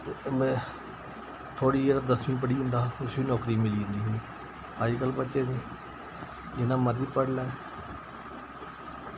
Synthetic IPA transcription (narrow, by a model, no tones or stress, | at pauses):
mɛ̃ː | t̪ʰoːɽiːeːɾad̪əsmĩːp̬əɽiːʊ̃nd̪aːʊsʋiːnɔːkɾiːmɪliːʊ̃nd̪iːɦoːiː | aːd͡ʒkəlpətːʃeːd̪eː | d͡ʒɪnãːməɾiːpəɽlaːɛ